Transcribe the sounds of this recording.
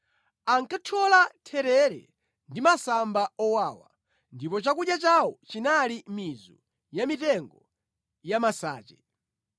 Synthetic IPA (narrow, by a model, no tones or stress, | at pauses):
aŋkatʰɔlatʰɛɾɛɾɛ̰ | ndimasambaɔwaːwa̰ | ndipɔt͡ʃakuɗjat͡ʃawɔt͡ʃinalimizɔ̰ | jamitɛŋɡɔ | jamasa̰ːt͡ʃɛ